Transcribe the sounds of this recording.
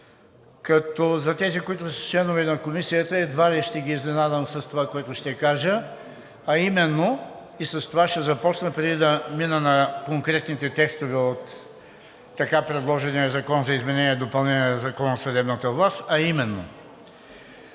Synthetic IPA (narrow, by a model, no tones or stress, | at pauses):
kɐt̪ɔzɐt̪ɛzikoit̪ʊsɐ̥t͡ʃlɛnovɛnɐkomisijət̪əɛd̪valɛʃt̪ɛɡiːznɛnad̪əmsɐst̪ovakoɛt̪ʊʃt̪ɛkaʒə | ɐimɛnːo | isɐst̪ovaʃt̪ɛzɐpɔt͡ʃnəpɾɛd̪id̪ɐminənɐkoŋkɾɛt̪nit̪ɛt̪ɛkst̪ovɛot̪ː | ɐkapɾɛd̪lˠɔʒɛniəzɐkɔnzɐizmɛnɛniɛd̪opɐlˠnɛniɛɐzɐkɔnɐsɐd̪ɛbnət̪əvlˠast̪ɐimɛnːo̰